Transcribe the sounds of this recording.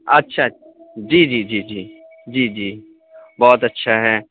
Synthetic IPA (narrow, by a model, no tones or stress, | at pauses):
ɐtːʃʰa | d͡ʒiːd͡ʒiːd͡ʒiːd͡ʒiː | d͡ʒiːd͡ʒiː | bɔːt̪ɐtːʃʰaɦɛː